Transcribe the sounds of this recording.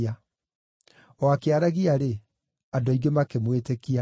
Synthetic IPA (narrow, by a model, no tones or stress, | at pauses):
a | ɔakeaɾaɣiaɾe | adɔiɡemakemwetekia